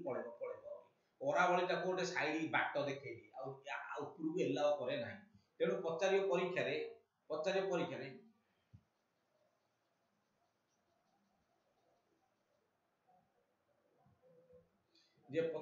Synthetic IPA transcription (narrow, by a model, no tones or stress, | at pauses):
pɔɽeɔpɔɽebɔɾi | ɔɾabɔɭitakuɖesajɽibaʈːɔd̪ekʰajtiawa̰wpuɾuelːaɔkɔɾenaɦĩt̪eɽ̃upɔt͡ʃaɾiɔpɔɾikʰːjaɾe | pɔt͡ʃaɾiɔpɔɾikʰːjaɾe | d͡ʒepɔ